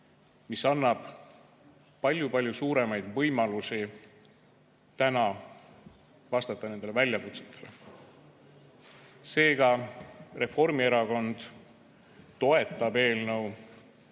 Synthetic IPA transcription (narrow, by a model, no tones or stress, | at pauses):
misɑnːɑb̥ | pɑlʲjupɑlʲjusuːɾe̞mɑjd̪̥vɤjmɑlusi | t̪ænɑ | vɑst̪ɑt̪ːˑɑne̞nd̪elvælʲjɑkut̪se̥t̪ˑːe̞̥le̞ | se̞ːɡ̥ɑre̞fo̞rmie̞ɾɑko̞nd̪̥ | t̪o̞e̞t̪ːˑɑbe̞ːlnəw